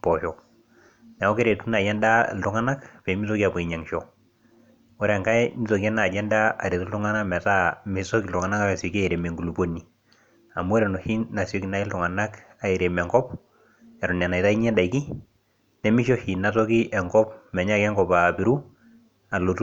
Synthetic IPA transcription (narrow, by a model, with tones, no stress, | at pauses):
pɔ˨ʃɔ˨ | nɛ˨wɔ˦ke˦ɾe˨tu˦na˨jɛ˦nda̰˦˨ltu˦ŋa˦na˦kpɛ˨mi˦sɔ˦ki˦a˨pɔ˨i˨ɲa˨ŋʃɔ˨ | ɔ˦ɾɛ˨ŋka˦jmi˦so˨kɛ˦na˨d͡ʒɛ˦nda˦a̰˨ɾe˨tu˦ltu˦ŋa˦na˦mɛ˨ta˦me˨sɔ˦ki˨ltʊ˨ŋa˨na˦ka˦a˨sɔ˨ka˦i˨ɾe˨me˨ŋɡu˨lu˨po˦ni˨ | a˨mu˦ɔ˦ɾɛ˨nɔ˨hi˦na˨sjɔ˦ki˨na˦i˦ltu˨ŋa˨na˦k | a˨e˨ɾe˨mɛ˨ŋɡɔ˦p̚ | ja˨ɾɔ˨na˨na˨ita˦i˦ɲɛ˦da˨i˨ki˦ | nɛ˨mi˦ʃɔ˦hi˨na˨˦tɔ˦ki˦ʔɛ˨ŋɡɔ˦pmɛ˨ɲa˦kɛ˦ŋɡɔ˨pa˨pi˨˦ɾu˦ | a˨lo˨tu